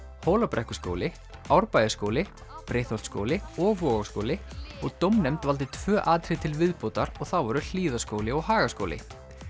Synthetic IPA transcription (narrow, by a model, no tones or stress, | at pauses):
hoːwlapɾɛhkʏ̥sko̰wlɪ | awɾpaːjðɪskoːwlɪ | pɾejht̪ɔlt̪sko̰ːwlɪɔɣvɔɣasko̰wlɪɔɣt̪owmnɛmt̪valt̪ɪt̪ʰvœːʔaːt̪ɾɪt̪ʰɪlvɪðpoːwt̪aɾɔɣθawvɔɾʏl̥iːðaskoːwlɪɔɣhaːɣasko̰wlɪ̰